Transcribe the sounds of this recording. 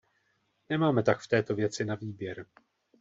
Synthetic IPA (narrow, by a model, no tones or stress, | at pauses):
nɛmaːmɛt̪akft̪ɛːt̪o̞vjɛt͡sɪnaviːbjɛɾ